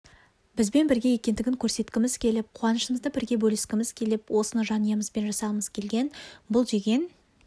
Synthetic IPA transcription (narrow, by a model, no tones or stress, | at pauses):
b̥ɪzbe̞nbɪɾɡʲe̞jekʲe̞nd̪ɪɡʲɪŋkʲʰɵɾse̞t̪kʲɪmɪz̥kʲʰe̞lɪp̚qʰʊɑnəʃəməzd̪əbɪɾɡʲe̞bɵlɪskʲɪmɪz̥kʲʰe̞lɪpwo̞sənəʒɑnəjəməzbe̞nʒɑsɑməzkʲʰe̞lɡʲe̞nbʊlˠʒe̞ɡʲe̞n